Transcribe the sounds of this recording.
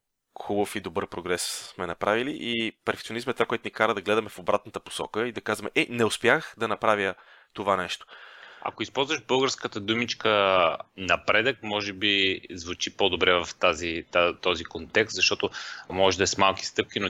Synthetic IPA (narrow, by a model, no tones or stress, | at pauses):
xubəfid̪obɤɾpɾoɡɾɛssmɛnɐpɾaviliʔipɛɾfɛkt̪ionismɛt̪vakoɛt̪ʊnikaɾəd̪ɐɡlɛd̪ɐmɛfobɾat̪̚nət̪əpo̥sɔ̰kəid̪ɐkazvɐmɛʔɛnɛʊspjaxd̪ɐnɐpɾavjə | t̪ovanɛʃt̪o̥a̰koispɔlˠzvəʒbɤlˠɡəɾskət̪əd̪umit͡ʃkənɐpɾɛd̪əkmɔʒɛbizvut͡ʃipɔd̪obɾɛvɐft̪azit̪at̪ɔzikont̪ɛkst̪zɐʃt̪ɔt̪omɔʒɛd̪ɐɛsmalˠk̟i̥st̪ɤp̚k̟ʲino